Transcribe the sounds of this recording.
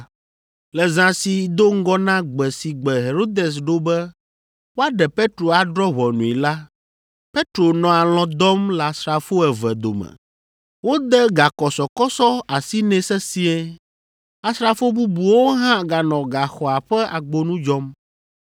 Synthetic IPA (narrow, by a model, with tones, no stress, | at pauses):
lɛ˨zã˨si˨d̪o˦ŋ̩˦ɡɔ˦nã˦ɡ͡bɛ˨si˨ɡ͡bɛ˨ɦe˨ɾo˦d̪e˨s̬ɖo˦bɛ˦ | wo˦a˦ɖɛ˨pe˦t̪ɾo˨a˨ɖɾɔ˦βɔ˨nũ˨i˨la˦ | pe˦t̪ɾo˨nɔ̃˨a˨l̃ɔ̃˨d̪ɔ˦mla˨sɾa˨fo˦ɛ˨vɛ˨d̪o̰˨mɛ̰˨ | wo˦d̪ɛ˦ɡa˨kɔ˨sɔ˨kɔ˦sɔ˦a˨si˦nɛ̃˦sɛ˦si˦ɛ˦ | a˨sɾa˨fo˦bu˦bu˨wo˦ɦã˦ɡa˨nɔ̃˨ɡa˨xɔ˨a˨ɸɛ˦ʔa˨ɡ͡bo˦nũ˦d͡ʒɔ˦m